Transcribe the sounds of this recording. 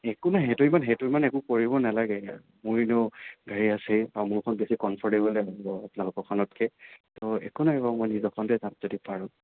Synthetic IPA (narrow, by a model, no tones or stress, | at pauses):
ɛkunaɦetʊimanɦejtuimanɛkʊ̃koɹibɔnalaɡɛa | muɹneʊɡaɹiasejaɹumʊɹkʰɔnbesikɔnpʰɔɹdebɔlɛɦazibɔapʊnalʊkɔkʰɔnɔtkʰɛtɔɛ̰kunaɛbamɔjnizɔkʰɔntɛzanzodipaɹʊ̃